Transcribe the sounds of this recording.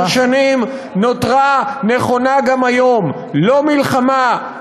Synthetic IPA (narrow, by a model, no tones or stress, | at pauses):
ʃanim | no̞tʁaneχo̞naɡamajo̞m | lo̞milχama